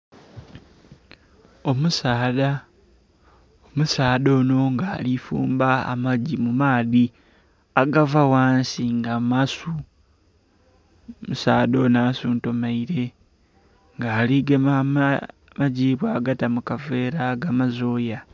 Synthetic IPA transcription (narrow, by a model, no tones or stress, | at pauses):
omusaːða | omusaːðo̞ːno̞ŋɡaːlifṵːmbaa̰maɟimumaːði | aɡavawaːnsiŋɡamasu | musaːðo̞naːsuːnto̞maiɾe̞ | ŋɡaːliɡema | maɟiːβwaːɡatamukave̞ːɾaɡamazo̞ːja